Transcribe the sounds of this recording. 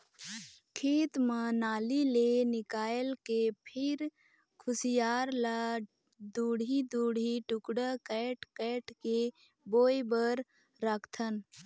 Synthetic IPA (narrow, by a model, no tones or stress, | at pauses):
kʰeːt̪mənaːlilenɪkaːjlkepʰɪɾ | kʰʊsijaːɾla | d̪uːɽʱid̪uːɽʱiʈʊkɽəkɛːʈkɛːʈke | boːjbəɾː | əkʰt̪ʰən